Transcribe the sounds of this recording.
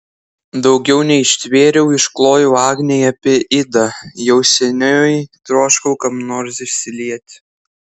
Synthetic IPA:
d̪ɒʊɡʲɛʊnʲɛɪʃʲt̪ʲʋʲeːɾʲɛʊɪʃklˠoːjoɑːɡnʲɛɪɐpʲiɛʔɪd̪ɐjɛʊsʲɛnʲojt̪ɾoːʃkɐʊkɐpnoːɾsʲɪʃʲsʲɪlʲiɛt̪ʲ

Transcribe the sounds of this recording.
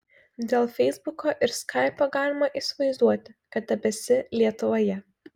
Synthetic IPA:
d̪ʲeːlˠfʲɛɪzbʊkoːʔɪɾskʰɐɪpʲoːɡɑːlʲɪmɐʔɪsʲʋɐɪzd̪uɔt̪ʲɪkɐt̪̚d̪ʲɛbʲɛsʲɪlʲiɛt̪ʊʋoːjɛ

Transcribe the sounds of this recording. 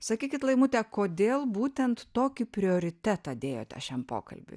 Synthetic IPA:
sɐkʲiːkʲɪt̪lˠɐɪmut̪ʲɛkoːd̪ʲeːlˠbuːt̪ʲɛnt̪toːkʲɪpʲɾʲɪoːɾʲɪt̪ʲæt̪ɑd̪ʲeːjoːt̪ʲɛ̰ʃʲæmpo̰ːkɐ̰lʲbʲʊ̰

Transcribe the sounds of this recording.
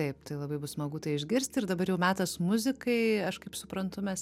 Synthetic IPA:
tɐɪpt̪ɐɪlˠɐbɐɪbʊsmɐɡuːt̪ɐɪɪʒʲɡʲɪɾʲsʲt̪ʲɪɾd̪ɐbɐɾjɛʊmʲæːt̪ɐsmʊzʲɪkɐɪɐʃkɐɪpsʊpɾɐnt̪ʊmʲɛs

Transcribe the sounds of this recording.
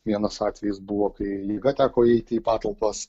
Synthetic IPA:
ʋʲiɛnɐsɑːt̪ʲʋʲɛjɪsbuʋoːkɐɪjiɛɡɐt̪ʲæːkoːɛɪt̪ʲɪiːpɑːt̪ɐlˠpɐs

